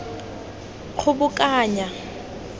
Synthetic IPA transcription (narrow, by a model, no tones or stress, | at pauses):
k͡xʰʊbʊkʼaːɲa